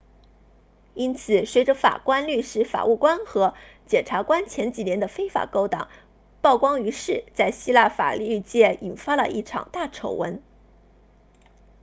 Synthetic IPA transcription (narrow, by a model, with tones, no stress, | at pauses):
i˥nt͡sʰɹ̩˨˩swe˧˥ɪʈ͡ʂə˧fa̰˨˩kwa˥nly˥˧ʂɻ̩˧˥fa̰˨˩u˥˩kwa˥nxɤ˧˥ | t͡ɕjɛ˨˩nʈ͡ʂʰa˧˥kwa˥nt͡ɕʰjɛ˧˥nt͡ɕi˨˩njɛ˧˥nd̪ə˧fe˥ɪfa̰˨˩ko˥ʊt̪ɑ̰˨˩˦ŋ | pɑ˥˩ʊkwɑ˥ŋy˧˥ʂɻ̩˥˩t͡sa˥˩ɪɕi˥la˥˩fa̰˨˩ly˥˧t͡ɕjɛ˥˩i˨˩nfa˥lə̰˨ʔi˥˩ʈ͡ʂʰɑ̰˨˩ŋt̪a˥˩ʈ͡ʂʰo˧˥ʊwə̰˧˥n